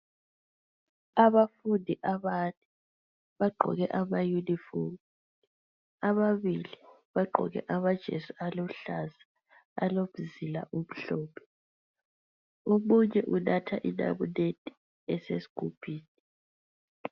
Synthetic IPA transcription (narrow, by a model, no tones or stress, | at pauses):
aβafundʱiʔaβani | βaɡ͡ǃʱɔ̰ɣɛʔamajunifoŋi | aβaβili | βaɡ͡ǃʱɔ̰ɣɛ̰ʔamad̥ʒ̥ʱesualɔɬazḁ̰ː | loβuzila̰ʔum̩ɬɔːpʰɛ̥ | omuɲɛʔunatʰaʔina̰βuned̥ʱʼi̥ | ɛsesi̥kʰupʰiːni